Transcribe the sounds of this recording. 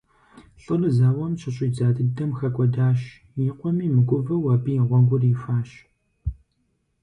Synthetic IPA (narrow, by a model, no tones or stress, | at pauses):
ɬʼɨrɨzaːwɐmɕʰɪɕʼiːd͡zaːdɨdɐmxɐkʷʼɔdaːɕ | jiːqʷɔmiːmɨɡʷʼʊvɐwɐbiʁʷɔŋɡʷʊrifaːɕ